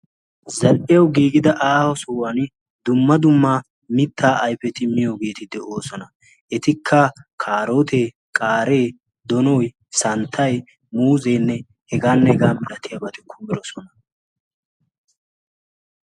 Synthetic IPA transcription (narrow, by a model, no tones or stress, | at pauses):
zɐlʔɪjɐwɡiːɡɪd̪ɐʔaːhɔsuwɐn | d̪ʊmːɐd̪ʊmːaː | mɪt̪ːaːʔːjfɛt̪ɪmːɪjoːɡe̞ːt̪ɪd̪ɛʔo̞ːsɔnɐ | ʔɛt̪ɪkʰːɐkʰaːɾoːt̪e | kʼaːɾe̞ː | d̪ɔnɔj | sɐnt̪ʰːɐj | muːzeːnːɛ | hɛɡaːnːɛhɛɡaːmɪlɐt̪ɪjɐbɐt̪ɪkʰːʊmɪɾɔsɔnɐ